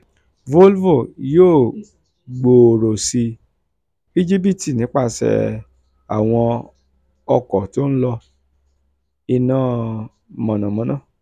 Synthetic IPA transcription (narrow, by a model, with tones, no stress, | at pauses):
vo˦lvo˦˨joː˦˨ | ɡ͡bo˨ɾo˨si˧ | i˦d͡ʒi˦p̬i˦˨ti˨nĩ˨˦k͡pa˦˨sɛ̰˧˨ | a̰˨w̃ɔ̃˧ | ɔ˧kɔ˨to˦ñ̩˦lɔ˧ | i˧nãː˦˨ | mɔ̃˨nã˨mɔ̃˨˦nãː˦˨